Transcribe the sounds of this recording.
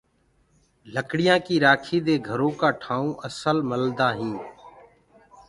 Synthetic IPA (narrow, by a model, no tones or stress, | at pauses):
ləkɽɪjãːkiːɾaːkʰiːd̪eːɡʱəɾõːkaːʈʰaːõːʔəsəlməld̪aːɦĩː